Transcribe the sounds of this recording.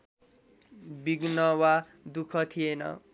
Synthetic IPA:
biɡnʌwa | d̪ukʰʌt̪ʰijenʌ̰

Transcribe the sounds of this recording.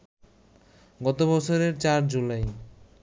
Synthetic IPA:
ɡɔt̪obɔt͡ɕʰoɾeɾt͡ɕaɾd͡ʑulaj

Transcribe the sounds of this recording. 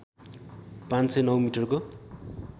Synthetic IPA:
pãnsʌjnʌwmiʈʌrko

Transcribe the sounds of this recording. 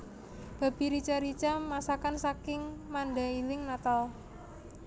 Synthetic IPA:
b̥a̤b̥i̤ɾit͡ʃaɾit͡ʃamasakansakɪŋmanɖailɪŋnat̪al

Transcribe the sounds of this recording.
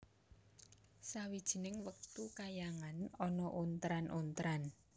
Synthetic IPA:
sawid̥ʒ̥i̤nɪŋwək̚t̪ukajaŋanɔnɔʔunt̪ɾanʔunt̪ɾan

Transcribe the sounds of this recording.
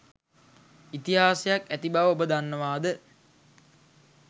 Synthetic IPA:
it̪iɦaːsejakæt̪ibaʋəobəd̪anːəʋaːd̪ə

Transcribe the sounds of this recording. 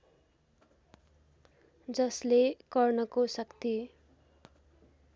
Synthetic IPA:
d͡zʌslekʌrnʌkosʌkt̪i

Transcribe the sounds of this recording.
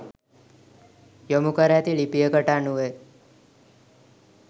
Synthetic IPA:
jɔmukəɾjat̪iɭipijəkəʈanue

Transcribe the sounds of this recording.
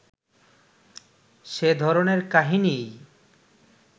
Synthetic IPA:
ʃed̪ʱɔɾoneɾkaɦinij

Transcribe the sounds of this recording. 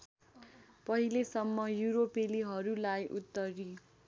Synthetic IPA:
pʌɦilesʌmːʌjuɾopeliɦʌɾulajʔut̪ːʌri

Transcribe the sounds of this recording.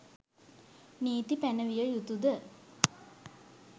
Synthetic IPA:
niːt̪ipænəʋijəjut̪ud̪ə

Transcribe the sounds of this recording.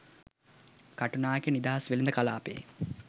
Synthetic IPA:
kaʈunaːekenid̪aɦasʋelind̪əkala̰ːpḛː

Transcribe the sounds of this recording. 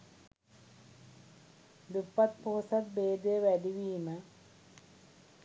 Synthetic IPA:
d̪upːɐt̪̚poːsɐt̪̚beːd̪eʋɐɖiʋiːmɐ

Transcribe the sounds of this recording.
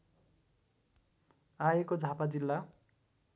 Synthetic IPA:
ajekod͡zʱapad͡zilːa

